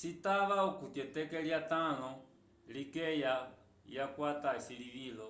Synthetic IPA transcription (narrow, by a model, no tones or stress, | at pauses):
sitaβaukutjɛtɛkɛljatanɔ | likɛja | jakwataisiliβilɔ